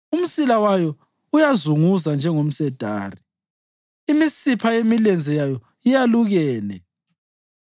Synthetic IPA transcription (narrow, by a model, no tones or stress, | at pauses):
um̩silawajɔ | ujazuŋuzand͡ʒʱɛŋom̩sɛd̥ʱa̰ːri | imisipʰajemilɛnd͡zʱɛjajɔ | ijaluɣɛːnɛ